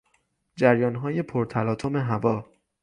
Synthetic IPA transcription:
d͡ʒæɾjɒːnɦɒːje̞pʰoɾt̪ʰælɒːt̪ʰome̞ɦævɒː

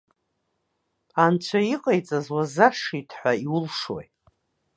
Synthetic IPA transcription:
ant͡ɕʷʰaiqʼajt͡sʼazwazaʂitʰħʷaiwʊlʂo̰j

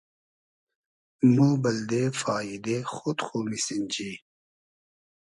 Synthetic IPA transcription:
moːbɐld̪eːfaːid̪exot̪xomisind͡ʑi

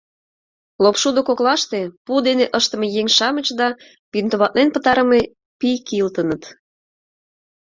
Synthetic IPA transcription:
lopʃud̪ŏkoklɑʃt̪epud̪eneʔəʃt̪ə̆mejeŋʃɑmə̆t͡ɕd̪ɑ | pint̪əβɑt̪̚nenpə̆t̪ɑɾə̆me | pijkilt̪ənə̆t̪

